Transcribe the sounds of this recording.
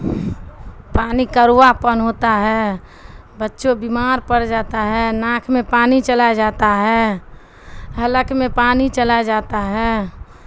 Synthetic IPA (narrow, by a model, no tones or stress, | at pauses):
paːnikəɾapənɦoːt̪aɦɛ | bətːʃobimaːɾpəɽd͡ʒaːt̪aɦɛnãːkʰmẽpaːnit͡ʃəlad͡ʒaːt̪aɦɛː | ɦələkmẽpaːnit͡ʃəlad͡ʒaːt̪aɦɛː